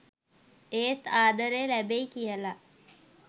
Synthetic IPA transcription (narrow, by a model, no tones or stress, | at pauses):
eːt̪aːd̪əɾeːlæbeikijəla